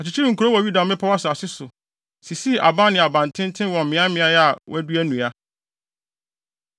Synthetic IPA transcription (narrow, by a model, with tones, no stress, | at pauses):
a˨t͡ɕʰi˨t͡ɕʰi˦ɾĩ˨ŋ̩˨ku˨ɾo˦wɔ˨ɥu˦da˨mɪ̃˦pʰa˦wa˦sa˨sɪ˦sʊ˨ | si˨si˦ʔa˨ba˦nɪ̃˨a˨bã˨ntʰɪ̃˦n˦tʰɪ̃˦wɔ̃˨m̩˨mɪ̃˨˦ã˦mɪ̃˨˦a˦jɛ˦a˨w̰æ˦du˦æ˦nũ˨a˦